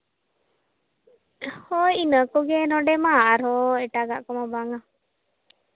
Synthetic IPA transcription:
hɔinəkɔɡɛnɔɖɛmaːɾɔɛʈaɡaʔkɔmabaŋa

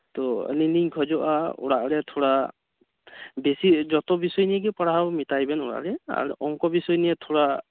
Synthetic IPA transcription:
tɔə̰niniɲkʰɔzɔʔa̰ṵɹaʔɾɛtʰɔɹa | besizɔtɔbisɔjniɛɡipaaɦawmitajbɛnuɹa̰ʔlɛa̰ɹṵʔɔŋkɔbisɔjnijɛtʰuɹa

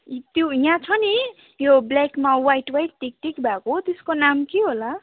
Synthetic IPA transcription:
t̪joijãt͡sʰʌni | joblakmawajʈwajʈːik̚ʈikbʱakot̪eskonamkiɦola

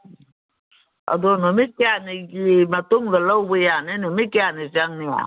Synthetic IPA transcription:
a̰donomikeaniɡimatoŋɡalauwejanenomikeanizaŋnia̰

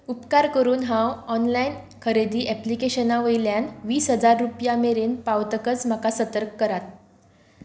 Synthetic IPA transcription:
upkaɾkəɾuːnɦãwɔnlain | kʰəɾed̪iːʔɛplikeɕənaʋəjljanʋiːsɦəd͡zaɾːupjameɾeːnpaʋt̪əkət͡sm̤akasət̪əɾkːəɾat̪̚

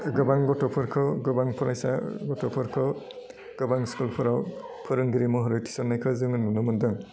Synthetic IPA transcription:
ɡɯbaŋɡɔtɔpʰɔɾkʰɔɡɯbaŋpʰɔɾajsa̰ɡɔtɔpʰɔɾkʰɔ | ɡ̥ɯbaŋskulpʰɔɾawpʰɯɾɯŋɡiɾimɔɦɔɾɯjtʰi̥sɔnːajkʰazɯŋɯnunɯmɯndɯŋ

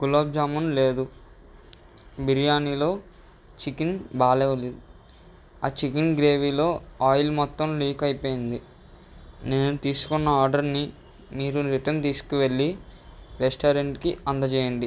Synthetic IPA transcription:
kulaːb̚d͡ʒaːmɐnle̞ːd̪u | biɾijaːniːlo̞ː | t͡ʃikinbaːleːʋɐleːd̪u | aːt͡ʃikinɡɾe̞ːʋilo̞ːaːjlmɔt̪ːɐmliːkɐjipoːjind̪i | ne̞ːnut̪iːsu̥kunːɐaːɾɖɐɾni | miːɾuɾiʈɐnt̪iːsu̥kuʋe̞ɭːiɾesʈaːɾeɳʈkiɐnd̪ɐt͡ʃɛːjɐɳɖi

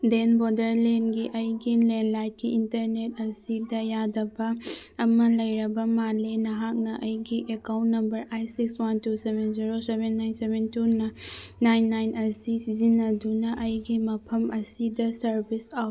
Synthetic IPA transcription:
denbodɐɾlenɡiʔɐjɡilenlajt̚kiintɐɾnet̚ɐsidɐjadɐbɐː | mɐlɐjɾɐbɐmalenɐɦak̚nɐʔɐjɡiʔekawntːɐmbɐɾajsikswantusebenziɾosebenːajnsebentunɐnajnːajnɐsisizinːɐdunɐʔɐjɡimɐpʰɐmʔɐsidɐsɐɾbisa

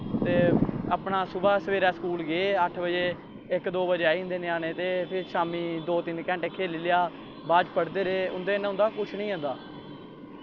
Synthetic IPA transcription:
t̪eːaːpɳaːsʊbaːsəʋeːɾaːsə̥kuːlɡeeːəʈʰbəd͡ʒeː | ɪkd̪oːbəd͡ʒeaːĩːnd̪eːnɪjaːnẽːt̪eːpʰɪɾsaːmĩːd̪oːt̪ɪnkɛ̃ːɳʈekʰːeːlɪlɪjaː | baːd͡ʒpəɽd̪eːɾeːʊnd̪eːnɦʊnd̪aːkʊt͡ʃʰnĩːɦʊ̃nd̪aː

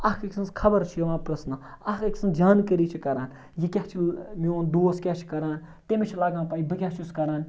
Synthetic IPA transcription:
ɐkɐkʲsɐ̃nskʰɐbɐɾt͡ʃʰijɐʋãːpɾɐsnɐ | ɐɦkɐkʲsɐ̃nd͡ʒaːnkɐɾiːt͡ʃʰikɐɾaːn | jikʲɐht͡ʃʰimioːnd̪oːskʲɐht͡ʃʰi̥kɐɾaːn | t̪emʲet͡ʃʰilaːɡãːnpaːibɨkʲaɦt͡ʃʰiskɐɾaːn

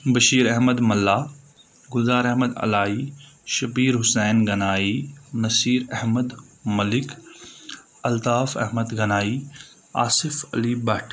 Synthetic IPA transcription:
bɐʃiːɾɐɦməd̪mɐlːaː | ɡʊlzaːɾɐɦməd̪ɐ̰laːiʃɐpiːɾɦʊsɛːnɡɐnaːinɐsiːɾɐɦməd̪mɐlɪk | ɐlt̪aːfɐ̰ɦməd̪ɡɐnaːiː | aːsɪfɐ̰libɐʈʰ

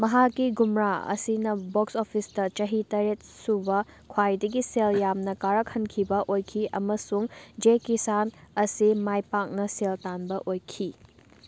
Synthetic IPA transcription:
mɐɦakːiɡumɾaɐ̰sinɐboksopʰisdɐt͡ʃɐɦitɐɾet̚subɐ | kʰwajdɐɡiseljamnɐkaɾɐkhɐnkʰibɐʔojkʰiʔɐmɐsuŋd͡ʒekisanɐsimajpak̚nɐseltanbɐʔojkʰi

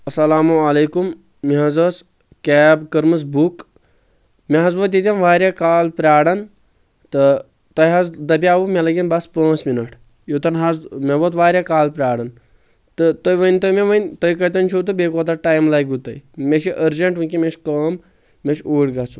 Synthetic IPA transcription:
ɐsɐlaːmuɐleːkumː | iɦɐzɐs | kɛːbkɐɾmɨs̬buk | meɦɐzbot̪̬jit̪ʲɐmʋaːɾʲjakaːlpɾʲaːɽɐn | t̪ɨ | t̪ɐjɦɐzd̪ɐbʲjaːʋumʲelɐɡʲinbɐspə̃ːt͡sminɐʈ | jot̪ɐnɦazmeʋot̪ʋaːɾʲjakaːlpɾʲaːɽɐn | t̪ɨt̪ɐjʋənʲt̪ɐmeʋɐnʲt̪ɐjkɐjt̪ɐnt͡ʃʰuːt̪ɨbʲeːkoːt̪ɐʈaːjmlajɡut̪ɐjmeʃiʔəɾd͡ʒɐɳʈunkimeʃkəːmː | eʃuːɽɡɐt͡sʰu

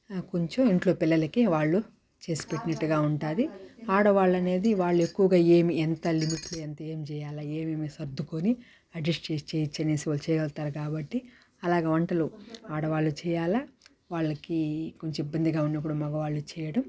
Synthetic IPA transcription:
koɲt͡ʃɐmiɳʈlo̞ːpilːɐlɐkiʋaːɭːu | t͡ʃe̞ːsi̥peʈːinɐʈːuɡaːuɳʈaːd̪iaːɽɐʋaːɭːɐne̞ːd̪iʋaːɭːuekːuʋɐɡaːe̞ːmiɛnt̪ɐlimiʈluɐnt̪ɐeːmit͡ʃɛːjaːlaːe̞ːmeːmisɐɾd̪ʱːukoːni | ɐɖesʈt͡ʃeːst͡ʃeːjit͡ʃːɐnesiɐlt͡ʃɛːjɐʋɐlt̪aːɾɐkaːbɐʈːi | ɐlaːɡeːʋɐɳʈɐluaːɽɐʋaːɭːut͡ʃɛːjaːlaː | ʋaːɭːɐkikoɲt͡ʃɐmibːɐnd̪iɡaːunːɐp̬ːuɽumɐɡɐʋaːɭːut͡ʃɛːjɐɽɐm

